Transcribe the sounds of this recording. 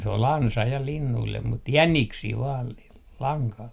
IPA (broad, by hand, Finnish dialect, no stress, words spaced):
se ol ɑnsɑ jɑ linːuilːem mut jæniksiː ʋɑːl l lɑŋkɑl